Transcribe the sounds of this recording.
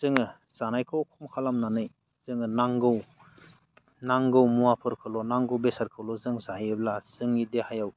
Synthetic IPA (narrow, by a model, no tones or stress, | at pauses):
z̥ɯŋɯ | z̥anajkʰɯwkʰɔmkʰalamnanɯj | z̥ɯŋɯnaŋɡɯw | naŋɡɯwmuwapʰɯɾkʰɯlɔnaŋɡɯwbesaɾkʰɯlɔzɯŋzajɯblaz̥ɯŋidehajaw